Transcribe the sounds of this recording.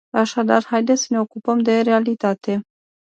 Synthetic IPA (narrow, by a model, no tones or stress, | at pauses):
aʃad̪arhajd̪esəne̞okupəmd̪e̞ɾealit̪at̪e